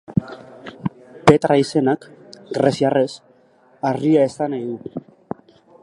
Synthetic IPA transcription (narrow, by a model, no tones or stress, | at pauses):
pe̞t̪ɾaise̞nakɡɾesiare̞s | ariae̞sanajðu